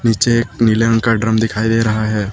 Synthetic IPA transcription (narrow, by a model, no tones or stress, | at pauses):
niːt͡ʃeeːknileə̃ŋkaɖɾəmd̪ɪkʰaːid̪eːɾɐɦaɦɛː